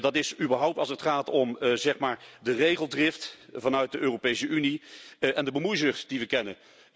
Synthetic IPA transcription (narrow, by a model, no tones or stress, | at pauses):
dɑtɪsybəɹɦʌwp̚tɑlˠsətχaːtɔmzɛχmaːɹdərejχəlˠdrɪftvɑnœɥt̚dəʔøːropejsəʔyniʔɛndəbəmujzəχd̥iʋəkɛnə